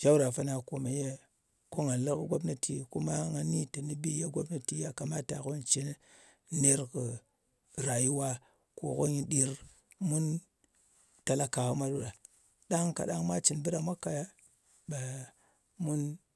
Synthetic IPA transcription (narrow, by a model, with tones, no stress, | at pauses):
d͡ʒa˦u˦ɾa˨fa˦na˨ko˨ma˨je˦ | ko˦ŋa˨n˨lə˦kə˦ɡʷo˦bna˦tʰi˨ku˦ma˦ŋa˨ni˦ta˨ni˦bi˦ja˦ɡo˦bna˨ti˦ja˦ka˨ma˦ta̰˨ko˦n˨t͡ʃe˦n˦ | ne˦ɾkɨ˨ | ɾa˨ji˦wa˦ | ko̰˨ko̰˦ɲi˨ɗi˨ɾ | mu˦n | ta˨la˦ka˨ko˦ma˦ɗu˦ɗa˨ | ɗa˦ŋka̰˨ɗa˦ŋma˦t͡ʃi˨nbɨ˦ɗa˨mʷa˦ka˨ja˦ | ba˨ | mu˦n